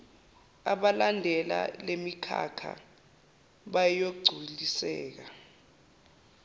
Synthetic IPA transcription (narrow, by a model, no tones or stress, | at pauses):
aɓalandʱɛla̰lemikʰa̰kʰa̰ | ɓajjok̬ɡ͡ǀʱulisɛ̰ːk̬a